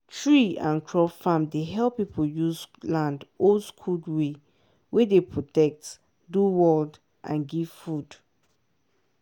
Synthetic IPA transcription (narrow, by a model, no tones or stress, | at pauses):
tʰɹiã̰nkʰɹɔfãmdeɦɛlˠpipʰəljuzlãndoskʰudwe | wedepʰɹɔtɛk̚t | duwɔld | ʔã̰nɡiv̥fud̥